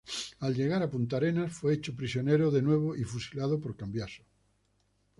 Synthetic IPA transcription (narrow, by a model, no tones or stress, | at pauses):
alʎe̞ɣaɾapunt̪aɾenasfweet͡ʃopɾisjoneɾoðenwe̞β̞oʔifusilað̞opoɾkambjaso̥